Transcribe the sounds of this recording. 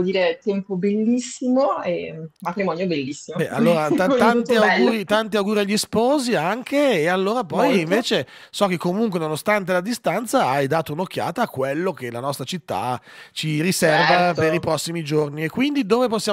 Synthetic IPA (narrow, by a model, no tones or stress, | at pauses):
d̪iːɾet̪ɛmpobelːisːimoɛmat̪ɾimɔnjobelːisːimobɛʔa̰lːoːɾat̪at̪ant̪iawɡuːɾit̪ant̪iawɡuːɾiaʎːispɔːziaŋkʰeːalːoːɾapɔjiɱveːt͡ʃe | sɔkekːomuŋkwenonost̪ant̪̬elad̪ist̪ant̪saajd̪aːt̪ounok̟ːja̰ːt̪aːkwelːok̟elanɔst̪ɾat͡ʃit̪ːa̰t͡ʃirisɛrvapeɾipɾɔsːimid͡ʒorniekːwind̪id̪oːveposːja